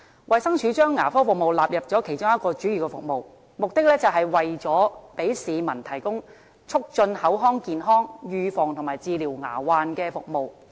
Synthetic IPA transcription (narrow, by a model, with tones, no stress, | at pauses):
wʔɐ˨jsɐ˥ŋt͡ʃʰyː˨˥t͡ʃœː˥ŋːaː˨˩fɔː˥fʊ˨k̚mo˨wlaː˨p̚jɐ˨p̚t͡sɔː˨˥kʰe˨˩jt͡ʃʊ˥ŋjɐ˥t̚kɔː˧t͡ʃyː˨˥jyː˨˩kɛ˧fʊ̰˨k̚mo˨w | mʊ˨k̚t̪ɪ˥k̚lɛː˥t͡sɐ˨wɦɐ˨jwɐ˨jt͡ʃɔː˨˥pe˨˥jsiː˨˧mɐ˨˩nt̪ʰɐ˨˩jkʊ˥ŋ | t͡ʃʰʊ˥k̚t͡ʃɵ˧nhɐ˨˥wɦɔː˥ŋkiː˨nɦɔː˥ŋjyː˨˧fɔː˨ŋt̪ʰʊ˨˩ŋmaː˨˩jt͡siː˧liː˨˩wŋa̰ː˨˩waː˨nkɛː˧fʊ˨k̚mo˨w